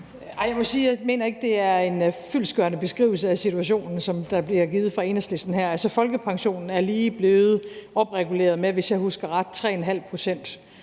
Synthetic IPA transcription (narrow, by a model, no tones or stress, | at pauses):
ɑɪjɑɪmɒ̽siːjme̝̰ːnɐe̝ɡ̥̚d̥e̝æɐe̝nfylsɡ̥ɶɐnəb̥e̝sɡ̥ʁḭːʊl̩səæsit͡sʰuæɕ̬o̝̰ːnn̩sɒ̽md̥ɑ̈b̥liɐɡ̥iːð̩ˠfʁɑ̈e̝nɐsle̝sd̥n̩ɦæɐ̰ælsɐfɒ̽lɡ̥əpʰɑ̈ŋɕo̝̰ːnn̩æɐliːb̥le̝ːð̩ˠʔɒ̽b̥ʁɛɡ̥ule̝̰ːɐð̞̩ˠmeʋe̝sjɑ̈ɪhusɡ̥ɐʁɑ̈d̥̚t͡sʰʁɛ̰ːenɦæl̰pʰʁo̝sen̰d̥